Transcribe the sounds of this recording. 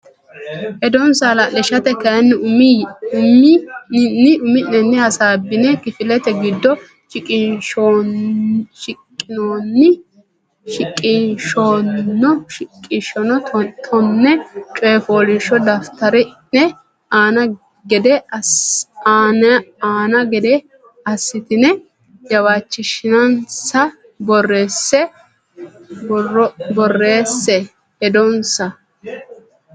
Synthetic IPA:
ʔɛd̪ɔnsalɐlɪʃɐt̪ɛkɐjɐnːɪmmɪnɪʔʊmɪnɛnːɛhɐsaːbːɪnɛkɪfɪlɛt̪ɛɡɪd̪ːɔ | ʃɪkʼɪʃ | ʃɪkʼːɪnoːnːɪ | ʃɪkʼːɪʃɔɔɪkʼːɪʃɔnɔt̪ʰɔnːɛt͡ʃʼɔːfoːlɪʃɔd̪ɐft̪ɐɾɪnɛ | aːnɐ | ɡɛd̪ɛ | naːnɐɡɛd̪ɛ | ɐsːɪt̪ɪnɛ | jɐwaːt͡ʃːɪʃɪnɐnsɐ | bɔrːeːsːɛ | bɔrːe̞ːsːɛ | ɛd̪ɔnsɐ

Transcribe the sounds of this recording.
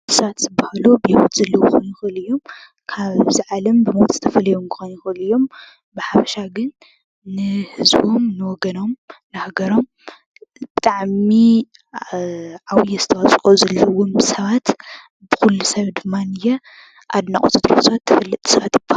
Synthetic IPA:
ɨsɐβat̪zɨbːahlubɨhiwut̪zɐlːɐwuxonjɪxɨlɨjːo̞m | kʰaβziʕalɐmbɨmowt̪ʼz̥ɨ̥t̪ʰɐfɐlɐjomkʰɨ̥xonjɪxɨlɨjːo̞m | bɨħafɐ̥ʃaɡɨnː | ɨhɨzbomnɨwɔɡɐno̞mnahaɡɐɾo̞m | bɨt̪ʼaʕmi | ʕawijɛzɨt̪ʰɐwasʼkʼozɐlːɐwumsɐβat̪ | bɨxulːusɐβd̪ɨmːanɨjɛ | ʔad̪naχʼotʼɨt̪ʼɾossɐβat̪ʰːɐfɐlːɨt̪ʼsɐβat̪jɪbːah

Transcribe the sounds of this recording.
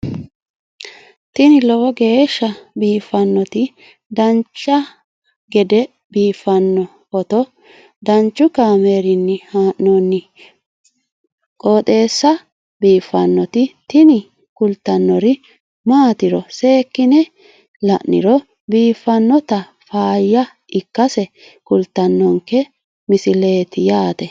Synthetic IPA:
t̪ɪnɪlɔwɔɡe̞ːʃːɐbiːfɐnːɔt̪ɪ | d̪ɐnt͡ʃːɐ | ɡɛd̪ɛ | biːfɐnːɔ | kɔt̪ɔ | d̪ɐnt͡ʃːʊkaːme̞ːɾɪnːɪhaːʔnoːnːɪ | kʼoːt̪ʼe̞ːsːɐ | biːfːɐnːɔt̪ɪt̪ɪnɪ | kʊlt̪ːɐnːɔɾɪ | maːt̪ɪɾɔse̞ːkːɪnɛ | lɐ̰ʔːɪ̰ɾɔ | biːfːɐnːɔt̪ɐ | faːjːɐ | ɪkːɐsɛ | kʊlt̪ːɐnːɔŋkːɛ | mɪsɪle̞ːt̪ɪjaːt̪ɛ

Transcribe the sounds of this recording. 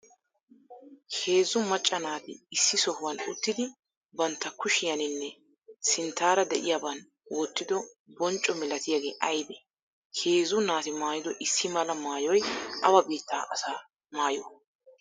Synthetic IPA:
he̞ːzːʊmɐt͡ʃʼːɐnaːt̪ɪ̰ɪsːɪsɔhʊwɐnʊt̪ːɪd̪ɪ | bɐnt̪ːɐkʊʃɪjɐnɪnːɛ | sɪnt̪ːaːɾɐd̪ɛʔɪ̰jaːbɐn | wɔt̪ːɪd̪ɔ | bɔnt͡ʃʼːɔmɛlɐt̪ɪjaɡe̞ːʔɐjd̪ɛ | he̞ːzʊnaːt̪ɪmaːjɪd̪ɔʔɪsːɪmɐlɐmaːjɔjɐwɐbeːt̪ːa̰ːʔɐsaː | maːjɔ

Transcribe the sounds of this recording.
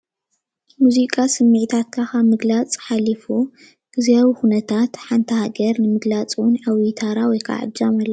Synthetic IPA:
muzikʼasɨmːɨʕt̪ʰat̪̚kʰakamɨɡlat͡sʼħalːifu | ɡ̥ɨziaβixunɐt̪ʰat̪ħant̪ʰɐhaɡɐɾnɨmɨɡlat͡sʼwʊnʕawit̪ʰaɾawɔjkʰa̰ʕɨ̰d͡ʒamɐlːɐ

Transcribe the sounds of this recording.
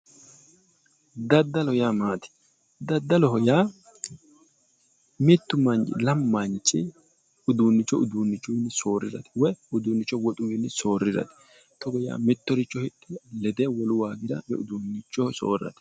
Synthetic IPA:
d̪ɐd̪ːɐlɔhɔjaːmaːt̪ɪ̥ | d̪ɐd̪ːɐlɔɦɔjaː | mɪt̪ːʊmɐnd͡ʒɪ̰lɐmːɐnt͡ʃʼːɪ | ʊd̪uːnːɪt͡ʃːɔʊd̪unːɪt͡ʃːʊwɪnːso̞ːrːɪzɐ̰t̪ɪ̥wɛʊd̪uːnːɪt͡ʃːɔwɔt̪ʼʊwɪnːso̞ːrːɪzɐ̰t̪ɪ̥ | t̪ɔɡɔja̰ːmɪt̪ːɔɾɪt͡ʃːɔhɪtːɪlɛd̪eːwɔlʊwaːɡɪd̪ɐbɛ̰ʊd̪uːnːɪt͡ʃːɔso̰ːrːɐ̰t̪ɛ̥

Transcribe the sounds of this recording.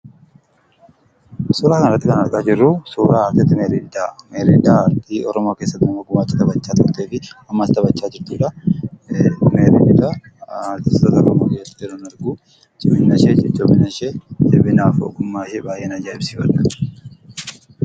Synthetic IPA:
suːɾaːkɐnɐɾɐt̪ːɪkɐnɐɾkʼaːd͡ʒɪrːʊsuːɾaːɾt̪ɪt̪ːɪmeɾid̪ameːɾid̪aːɾt̪iɔɾɔmoːke̞ːsːɐt̪ːɪmɐɡʊmaːt͡ʃːɪt̪ɐbɐt͡ʃːaːt̪ʊɾt̪eːfɪɐmːɐst̪ɐbɐt͡ʃːaːd͡ʒɪɾt̪uːᶑɐ | meːɾḭɪd̪ɐ | t̪ɪst̪ɐt̪ɐkɐmoɡeːsɐ̥t̪ːɪjɛɾoːnɐɾɡuː | t͡ʃʼɪmɪnːɐʃed͡ʒɛt͡ʃʼːobɪnɐʃet͡ʃɪbɪnaːfɔ̰ɡʊmːaːʃɛbaːjʔeːnɐd͡ʒaːɪbsɪfɐᶑɐ

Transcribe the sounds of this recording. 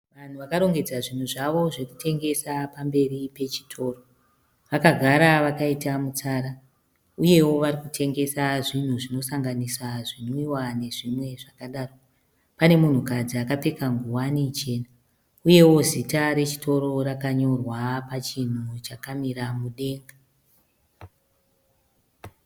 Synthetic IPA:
ʋan̤uʋakaɾo̞ŋɡe̞d͡zaʐin̤uʐaʋo̞ʐe̞ku̥tʰe̞ŋɡe̞sapambe̞ripe̞t͡ʃi̥tʰo̞ːro | ʋakaɡʱaɾaʋakaitamut͡saːɾa | uje̞wo̞ʋaɾikutʰe̞ŋɡe̞saʐin̤uʐino̞saŋɡanisaʐinoiwane̞ʐimwe̞ʐakaɗaːro | pane̞mun̤ukad͡ziakape̞kaŋɡuwanit͡ʃe̞ːna | uje̞wo̞zitaɾe̞t͡ʃi̥tʰo̞ɾo̞rakaɲo̞rwapat͡ʃin̤ut͡ʃakamiɾamuɗe̞ːŋɡa

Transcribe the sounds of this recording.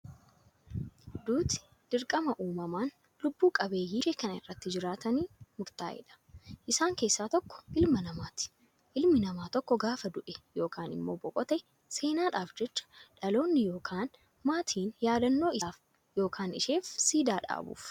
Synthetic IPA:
d̪uːt̪ɪ̥ | d̪̥ɪɾkʼɐmɐʔuːmɐmaːn | lʊbːuːkʼɐbe̞ːjːɪʃeːkɐnɐɪ̰rːɐt̪ːɪd͡ʒɪɾaːt̪ɐniːmʊɾt̪a̰ːʔɛ̰ᶑɐ̥ʔɪsaːŋke̞ːsːaːt̪ɔkːɔ̥ʔɪlmɐnɐmaːt̪ɪ̥ | ʔɪlmɪnɐmaːt̪ɔkːɔɡaːfɐd̪ʊʔɛjo̞ːkʰaːnɪ̰mːo̞ːbɔkʼɔt̪ɛ | se̞ːnaːᶑaːfd͡ʒɛt͡ʃːɐ̥ᶑɐlo̞ːnːɪjo̞ːkʰaːn | maːt̪ʰiːnjaːd̪ɐnːo̞ːɪaːf | jo̞ːkʰaːnɪʃe̞ːfsiːd̪aːᶑa̰ːbṵːf

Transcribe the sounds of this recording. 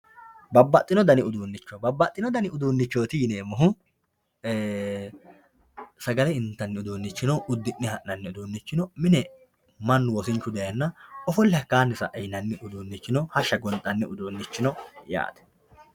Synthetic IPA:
bɐbːɐt̪ʼːɪnɔd̪ɐnɪʊd̪uːnːɪt͡ʃːɔbɐbːɐt̪ʼːɪnɔd̪ɐnɪʊd̪uːnːɪt͡ʃːoːt̪ɪjɪneːmɐɦʊː | sɐɡɐlɛɪnt̪ːɐnːɪʊd̪uːnːɪt͡ʃːɪnɔʔʊd̪ːɪnːɪhɐʔnɐnːɪʊd̪uːnːɪt͡ʃːɪnɔmɪnɛ | mɐnːʊwɔsɪnt͡ʃːʊd̪ɐjɐnːɐɔfɔlːɛhɐkːaːnːɪsɐ̰ʔɛjnɐnːɪʔʊd̪uːnːɪt͡ʃːɪnɔhɐʃːɐɡɔnt̪ʼːɐnːɪʊd̪uːnːɪt͡ʃːɪnɔja̰ːt̪ɛ̥

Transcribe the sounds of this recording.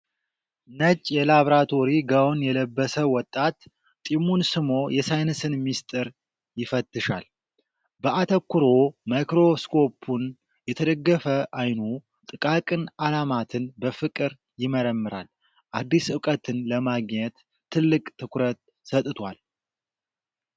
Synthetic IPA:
nət͡ʃʼːjɛlaβɾat̪ʰo̞ɾiɡawonjɛləbːəsəwɔt̪ʼːat̪ːʼ | imunsɨmo̞jɛsajnɨsɨnmist̪ʼɨɾ | jɪfət̪ːɨʃa̰l | bəʔat̪ʰəkːuɾo̞majkɾo̞skʰo̞pʰun | jɛt̪ʰəd̪əɡːəfəʔajnu | t̪ʼɨkʼakʼɨnalamat̪ʰɨnbəfɨkʼɨɾ | jɪməɾəmːɨɾa̰l | ʔad̪ːisɨkʼət̪ʰɨnləmaɡɲɛt̪ʰː | ɨlːɨkʼt̪ʰːɨkɾət̪̚ | sət̪ʼt̪ʰwal

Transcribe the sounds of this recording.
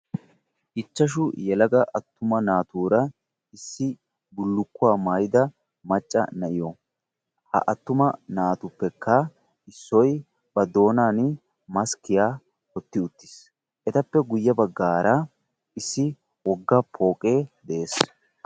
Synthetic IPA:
ʔɪt͡ʃːɐʃ̬ʊjɛlɐɡɐʔɐt̪ːʊmɐnaːt̪uːɾɐ | ɪsːɪ | bʊlːʊkːʊwaːmaːjɪd̪ɐ | mɐt͡ʃʼːɐ̰nɐʔɪjɔ | hɐ̰ʔɐt̪ːʊmɐnaːt̪ʊpːɛkːɐ | ɪsːɔj | bɐd̪o̞ːnaːn | mɐskɪjaː | hɔt̪ːɪʊt̪ːɪ̥s | ʔɛt̪ɐpːɛɡʊjːɐbɐɡːaːɾɐ | ɪsːɪ | wɔɡːɐpʰo̞ːkʼe̞ːd̪ɛʔeːs

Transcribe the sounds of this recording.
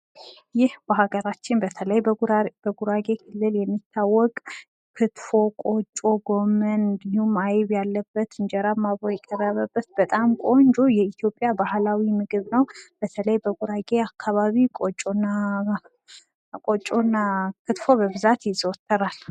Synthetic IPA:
jɪhbəɦaɡəɾat͡ʃːɪnbət̪ʰələjbəɡuɾaɡe̞kʰɨlːɨljɛmːit̪ʰːawːɔkʼ | kʰɨt̪fo̞kʼo̞t͡ʃʼːo̞ɡo̞mənŋɡnhumajβjalːəbːət̪ɨnd͡ʒɛɾamːaβojɛkʼərːəβəbːət̪̚bət̪ʼamkʷʼo̞nd͡ʒojɛit̪ʰjo̞pʼjabahlawimɨɡɨβnəwb̥ət̪ʰələjbəɡuɾaɡe̞akʰːaβaβikʼot͡ʃʼonːa | kʼot͡ʃʼonːakʰɨt̪fo̞bəβɨzat̪jɪzɔt̪ʰːəɾal

